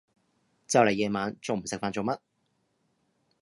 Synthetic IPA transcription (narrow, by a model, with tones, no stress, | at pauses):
t͡sɐ˨wle˨˩jɛː˨˧maː˨˧nt͡so˨wm̩˨˩sɪ˨k̚faː˧nt͡so˨˧wmɐ˥t̚